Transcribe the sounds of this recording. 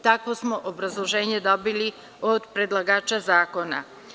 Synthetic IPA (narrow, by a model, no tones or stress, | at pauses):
t̪akʋosmoʔobɾazlˠo̞ʒe̞ːɲe̞d̪o̞bili | od̪pɾed̪lˠaɡaːt͡ʃazaːko̞na̰